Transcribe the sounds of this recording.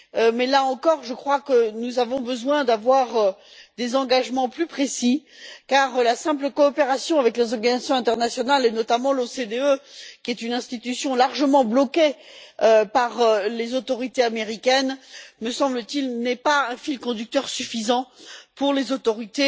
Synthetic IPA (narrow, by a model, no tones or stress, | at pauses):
mɛlaɑ̃kɔʁʒəkχwakənuzavɔ̃bəzwɛ̃d̪avwaʁd̪ezɑ̃ɡaʒmɑ̃plypχesi | kaʁlasɛ̃pləkɔːpeʁasjɔ̃avɛklezɔʁɡanizasjɔ̃ɛ̃t̪ɛʁnasjɔnalɛnɔt̪amɑ̃losed̪eøkʲiɛt̪ynɛ̃st̪it̪ysjɔ̃laʁʒəmɑ̃blɔkeøpaʁlezot̪ɔʁit̪eameʁikʲɛnməsɑ̃blət̪ilnɛpaɛ̃filkɔ̃d̪yk̚t̪œʁsyfizɑ̃puʁlezot̪ɔʁit̪e